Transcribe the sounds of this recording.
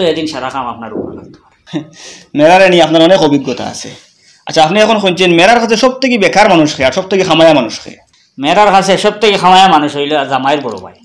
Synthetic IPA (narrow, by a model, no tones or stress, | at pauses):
ed̪inʃaɾakamapnaɾṵa̰la̰kt̪aɾ | mɛɾaɾenieapnaɾɔnekɔbiɡːɔt̪a̰a̰sḛ | a̰tːʃʰaapniɛkʰonkunt͡ɕenmɛɾaɾkʰas̬ʰeʃɔb̚t̪ʰekibɛkʰaɾmanuʃkʰeaɾʃɔb̚t̪ʰekixʰamajamanuʃxʰḛ | mɛɾaɾkʰasʰeʃɔb̚t̪ʰekixʰamajamanuʃɦojlozamajɾbɔɾo̰pa̰j